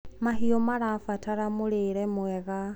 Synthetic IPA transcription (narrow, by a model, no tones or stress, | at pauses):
mahiɔmaɾafataɾamoɾeɾɛmwɛɣa